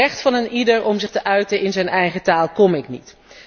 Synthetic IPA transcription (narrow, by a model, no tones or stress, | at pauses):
ɛχtfɑnənidəɹɔmzɪχtəʔœɥtəɪnzɛjnɛjχətaːlˠkɔmɪknḭt